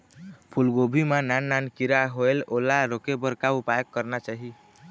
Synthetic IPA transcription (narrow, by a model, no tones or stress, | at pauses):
pʰulɡobʱimananːankiɾaɦoelolaɾokebəɾkaupajəkːəɾnat͡ʃaɦi